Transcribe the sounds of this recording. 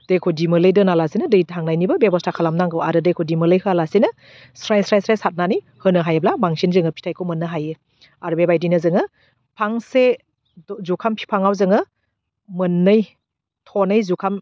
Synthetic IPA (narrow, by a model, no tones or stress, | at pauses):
d̥ejkʰodimɯlɯjdɯnalasinɯdɯjtʰaŋnajnibɐbebɔstʰakʰalamnaŋɡɯwaɾɯdejkʰodimɯlɯjhɯalasinɯ | sɾajsɾajsɾajsat̚nanij | hɯnɯɦajeblabaŋsinzɯŋɯpʰi̥tʰajkʰomɯnːɯɦajɯ | aɾbebajdinɯzɯŋɯ | pʰaŋse | zukʰampʰi̥pʰaŋawzɯŋɯ | mɯnːɯj | tʰɔnɯjzukʰam